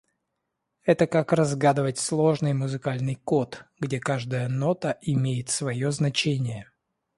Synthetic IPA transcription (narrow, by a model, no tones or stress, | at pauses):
ɛt̪əkakrɐzɡad̪ɨvətʲslˠo̞ʐnɨjmʊzɨkalʲnɨjko̞t̪ɡdʲekaʐd̪əjəno̞t̪əʔɪmʲejɪt̪svɐjoznɐt͡ɕenʲɪjə